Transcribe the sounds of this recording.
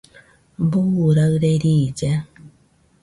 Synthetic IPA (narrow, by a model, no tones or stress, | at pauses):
buwɾaɾeɾiːd͡ʒa